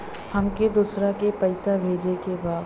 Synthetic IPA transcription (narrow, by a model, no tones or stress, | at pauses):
hɐmked̪usɾãkepɐɪsabʱeːd͡ʒekebaː